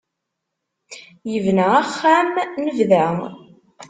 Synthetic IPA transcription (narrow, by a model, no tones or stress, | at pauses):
jəvnæaχːæmnəvðæ